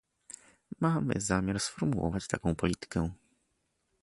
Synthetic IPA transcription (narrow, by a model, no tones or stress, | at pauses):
mamɘ̰zamʲjaɾsfɔɾmuwɔ̰vat͡ɕt̪a̰kɔ̃w̃pɔlʲit̪ɘ̥kɛ